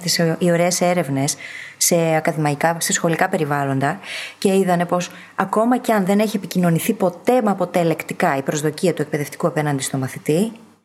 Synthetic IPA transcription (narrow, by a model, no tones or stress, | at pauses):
t̪isio̞ɾe̞ːse̞ɾe̞vne̞sːe̞ɐkɐðimɐikɐse̞sxo̞likɐpe̞ɾivɐlo̞nd̪ɐce̞iðɐne̞po̞s | ɐko̞mɐceɐnðe̞ne̞çie̞picino̞niθipo̞t̪e̞mɐpo̞t̪e̞le̞kt̪ikɐipɾo̞zðo̞ciɐt̪ue̞k̚pe̞ðe̞ft̪i̥kuɐpe̞nɐnd̪ist̪o̞mɐθit̪i